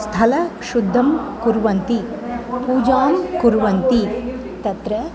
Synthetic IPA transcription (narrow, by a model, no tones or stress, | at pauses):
st̪ʰɐlɐʃud̪ʱːɐmkuɾʋɐnt̪i | puːd͡ʒaːmkuɾʋɐnt̪i | t̪ɐt̪ɾɐ